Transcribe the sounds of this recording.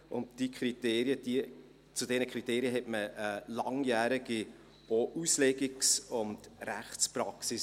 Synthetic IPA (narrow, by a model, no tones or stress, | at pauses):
ʔʊ̰ntd̥ikʰɾiteːɾjəd̥i | t͡sudɛnəkʰʁɾiteːɾjəɦɛtməɛlɑŋjæːɾɪɡ̥i | oʔuslɛɡɪksʊndɾæ̰χt͡spɾɑksɪs